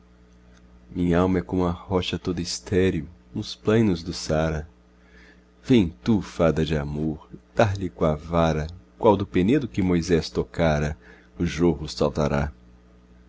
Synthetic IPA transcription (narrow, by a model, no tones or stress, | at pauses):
mĩɲɐawmɐɛkõmũɐhɔʃɐt̪od̪ʊist̪ɛɾjʊʊsplɐ̃j̃nʊzd̪ʊsaɾɐ | vẽj̃t̪ufad̪ɐd͡ʒɪamoɾd̪̥aɾlɪkõɐvaɾɐkwawd̪ʊpened̪ʊkɪmojzɛst̪okaɾɐ | ʊʒohʊsawt̪aɾa̰